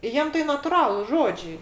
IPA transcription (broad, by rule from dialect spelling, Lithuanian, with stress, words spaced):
ˈjiɛm tɐɪ nɐtʊˈrɑːlˠʊs ˈʒoːd͡ʒʲɛɪ